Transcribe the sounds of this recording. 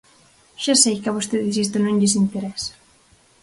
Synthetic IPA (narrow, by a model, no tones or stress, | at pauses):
ʃasejkaβost̪eðis̬ist̪onõŋʎesint̪eɾɛsḁ